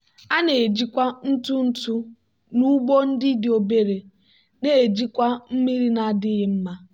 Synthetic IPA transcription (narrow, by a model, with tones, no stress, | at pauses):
a˦ne˨d͡ʒi˦kʷa˦n̩˦tu˦n̩˦tu˦ | nu˦ɡ͡bo˦n̩˦dɪ˦dɪ˨o˨be˦ɾe˨ | ne˦˨e˨d͡ʒi˦kʷa˦m̩˦mi˦ɾi˦na˨dɪ˦ɣɪ˦m̩˦ma˦